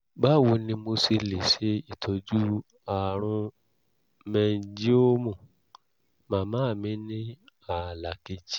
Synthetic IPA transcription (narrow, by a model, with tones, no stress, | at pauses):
ba˦˨wo˧nĩ˧mo˧si˧le˨ʃe˨˧˦i˨tʰo˨d͡ʒu˦ | a˨ɾ̃ũ˧ | mɛ̃˧˦d͡ʒi˦o˦mũ˨ | mã˨˦mãː˦˨mĩ˦nĩ˦a˨la˨ke˧d͡ʒi˦